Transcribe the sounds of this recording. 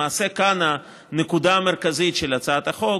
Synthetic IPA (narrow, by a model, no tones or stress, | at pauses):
aːse̞kana | nekud̪ameʁkazit̪ʃelat͡saat̪aχo